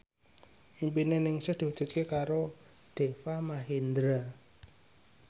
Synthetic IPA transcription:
impinenɪŋsəhd̪̥o̤̥d͡ʒ̥ə̤t̪̚kekaɾo | d̪̥e̤famaɦind̪ɾa

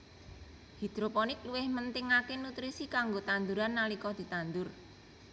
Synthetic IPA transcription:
hid̪̥ɾopɔnɪkluwɪhmənt̪ɪŋakenut̪ɾisikaŋɡot̪and̪uɾanːalikɔd̪̥i̤t̪and̪ʊr

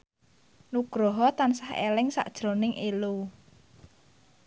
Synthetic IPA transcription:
nuɡ̥ɾoɦɔt̪ansahḛlɪŋsa̰ʔd̥ʒ̥ɾo̤nɪŋʔelu

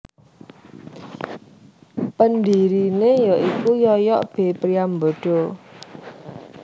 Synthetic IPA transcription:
pənd̪iɾinejɔʔikujɔjɔʔb̥e̤pɾiambɔ̤ɖ̥ɔ̤

